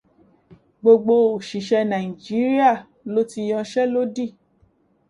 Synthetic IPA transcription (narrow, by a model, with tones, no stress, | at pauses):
ɡ͡bo˧ɡ͡bo˧o˨ʃi˨ʃɛ˧nã˨i˨d͡ʒi˨˦ɾi˦a˦˨ | lo˦ti˧j̃ɔ̃˧ʃɛ˦lo˦di˦˨